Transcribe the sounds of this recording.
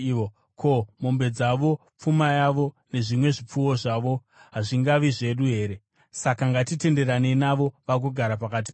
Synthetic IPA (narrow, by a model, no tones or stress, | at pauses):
o | kʰo̞mombe̞d͡zaʋo̞ | p͡fumajaʋo̞ | ne̞ʐimwe̞ʐip͡fuwo̞ʐaʋo̞ | ɦaʐiŋɡaʋiʐe̞ɗuɦe̞ːɾe̞ | sakaŋɡatite̞nde̞ɾane̞naʋo̞ʋak̬uɡʱaɾapakat̬i̥